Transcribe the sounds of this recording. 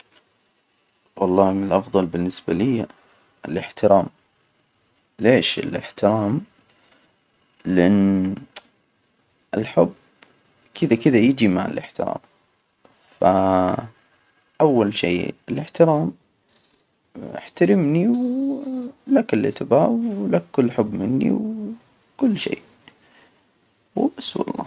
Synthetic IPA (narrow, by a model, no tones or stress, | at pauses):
wɑlˤːɑːmɪlʔɑfðˤɑlbɪnːɪsbalɪjːa | ɪlɪħt̪ɪɾɑːm | leːʃɪ̰lɪ̰ħt̪ɪɾɑːm | lɪʔaɪnː | ʔɪlħʊb | kʰɪðakɪðajɪd͡ʒimaʕa̰lɪ̰ħt̪ɪɾɑ̰ːm | fa | ʔawːalʃḛːɪlɪħt̪ɪɾaːm | ɪ̰ħt̪aɾɪmniw | lakɪlɪ̰t̪ɪbaːlakːʊlːħʊbːmɪnːḭw | kʊlːʃḛː | wbɪswɑ̰lˤːɑ̰ː